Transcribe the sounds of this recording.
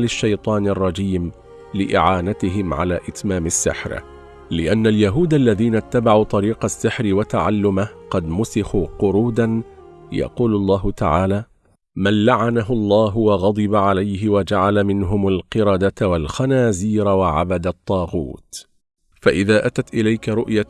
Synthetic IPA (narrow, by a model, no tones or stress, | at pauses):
lɪʃːajt̪ˤɑːnɑrˤːɑd͡ʒiːm | lɪʔɪ̰ʕaːnat̪ɪɦɪmʕa̰laːʔɪt̪maːmɪsːɪ̰ħɾ | lɪʔanːaljaɦuːd̪alːaðiːnat̪ːabaʕuːt̪ˤɑɾiːqɑsːɪħɾɪwat̪aʕalːʊmaqɑd̪mʊsɪxuːqʊɾuːd̪anjɑ̰quːlʊlˤːɑːɦʊt̪a̰ʕaːlaː | manlaʕanaɦʊlˤːɑːɦʊwɑɣɑd̪ˤɨbaʕalajɦɪwad͡ʒaʕalamɪnɦʊmalqɨɾɑd̪at̪walxanaːziːɾawaʕa̰bad̪at̪ˤːɑːɣṵːt̪ | faʔɪðaːʔat̪at̪ʔɪlajkaɾˤʊʔja